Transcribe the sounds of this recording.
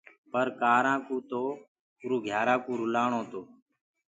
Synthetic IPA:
pəɾkaːɾãːkuːt̪oː | ʊɾuːɡʱjaːɾãːkũːɾʊlaːɳõːt̪oː

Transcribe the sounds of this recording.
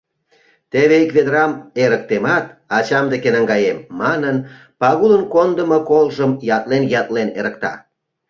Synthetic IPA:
t̪eβeikβed̪əɾɑmeɾək̚t̪emɑt̪ɑt͡ɕɑmd̪ekenəŋɡɑjemːɑnən | pɑɣulənkond̪əmokolʒəmjɑt̪lenjɑt̪lenḛɾəkt̪ɑ̰

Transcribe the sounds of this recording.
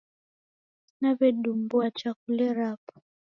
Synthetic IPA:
naβɛɗumbuat͡ʃakulɛɾapḁ

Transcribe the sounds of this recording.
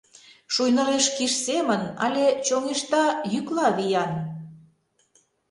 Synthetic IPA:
ʃujnəɾeʃkiʃsemənɑ̰lʲet͡ɕoŋeʃt̪ɑjyklɑβijɑn

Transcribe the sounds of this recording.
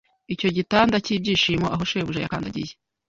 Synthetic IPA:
ico̞ɟitaːndaciːb̚ɟiːʃiːmoʔaɦoʃoeβuʒaja̰kaːndaɟḭje

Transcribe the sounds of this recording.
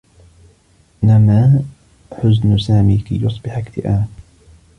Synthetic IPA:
namaː | ħʊznʊsaːmiːka̰jʊsˤbɪħakt̪ɪʔaː

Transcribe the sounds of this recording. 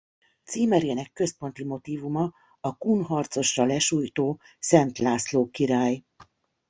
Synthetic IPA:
t̪siːmɛɾeːnɛkːø̞spo̞n̪t̪imo̞t̪iːvumɒ | ɒkuːnɦɒrt̪so̞ʃrɒlɛʃuːjt̪oː | sɛnt̪laːsloːkiɾaːj

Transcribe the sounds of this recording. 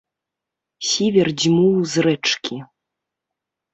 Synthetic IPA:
sʲivʲɛrd͡zʲmuwzrɛt͡ʂkʲi

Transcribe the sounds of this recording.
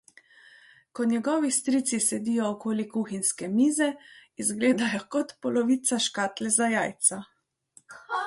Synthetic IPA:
kɔnʲjɛɡɔːʋist̪ɾiːt̪sisɛd̪iːjɔːkoːlikuːxinskɛmiːzɛizɡleːd̪ajɔkɔt̪pɔlɔʋit̪saʃkaːt̪lɛzajaːjt̪sa

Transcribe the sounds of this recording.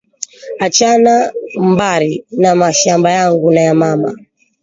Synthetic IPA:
at͡ʃanambaɾinamaʃambajaŋɡunajamama̰

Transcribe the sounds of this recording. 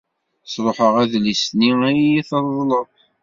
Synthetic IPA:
sˤɾˤoħəʁæðlisniijiθəɾˤðˤləðˤ

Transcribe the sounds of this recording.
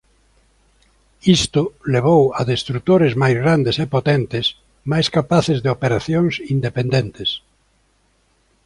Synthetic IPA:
ist̪ʊleβ̞owaðest̪ɾut̪oɾezmajzɣɾand̪esepot̪ent̪ɪs | majskapaθezðeopeɾaθjoŋsind̪epend̪ent̪es

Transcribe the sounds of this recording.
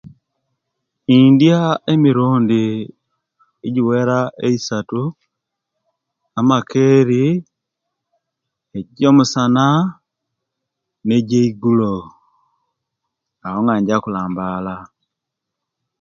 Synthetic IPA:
indjaemiɾuːndi | eɟiweɾaʔeisatu | amakʰeɾi | eɟomusana | neɟeiɡulo | ahoŋɡaːɲɟakulaːmbala

